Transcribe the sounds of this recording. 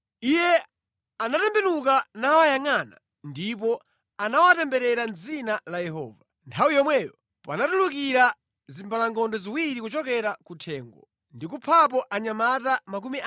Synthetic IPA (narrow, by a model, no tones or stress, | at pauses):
ijɛ | anatɛmbɛnukanawajaŋaːna | ndip̬ɔ | anawatɛmbɛɾɛɾanzinalajɛɦɔ̰ːva | ntʰawijɔmwɛːjɔ | pa̰natulukiɾa | zimbalaŋɡɔndɔziwiɾikut͡ʃɔkɛɾakutʰɛːŋɡɔ̰ | ndik̬upʰap̬ɔʔaɲamatamak̬umi